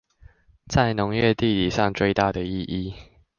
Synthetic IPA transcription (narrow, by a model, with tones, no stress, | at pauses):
t͡sa˥˩ɪnʊ˨˧˦ŋɥɛ˥˧t̪i˥˨t̪i˨˩ʂɑ˥˨ŋt͡swe˥˧ɪt̪a˥˨d̪ə˩i˥˨ʔi˥˨